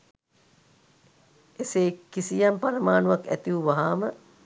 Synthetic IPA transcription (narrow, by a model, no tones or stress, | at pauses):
eseːkːisijampaɾəmaːnuʋakæ̰t̪iʋuʋaɦaːmə